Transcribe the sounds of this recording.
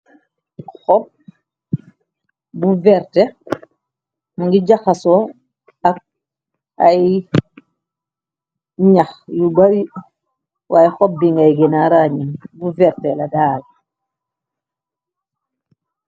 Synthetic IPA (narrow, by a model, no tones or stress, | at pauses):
xɔp̚ | buvɛɾte | muŋɡiɟaxasɔ | ak̚ | aj | ɲaxjubaɾi | waːjxɔp̚biŋɡajɡinaɾaɲiŋbuvɛɾteladaːl